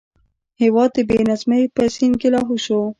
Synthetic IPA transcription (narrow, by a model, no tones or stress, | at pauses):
hɪwɑd̪̚əbenazmapəsinkelɑɦuʃo